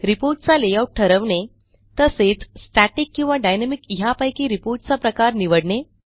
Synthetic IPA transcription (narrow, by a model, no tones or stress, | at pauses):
ɾipoɾʈ̚t͡salejauʈʈʰəɾəʋɳe | t̪əset͡ssʈaʈikːĩw̃ʋaɖajnamikiɦapajkiːɾipoɾʈ̚t͡sapɾəkaɾniʋəɽɳe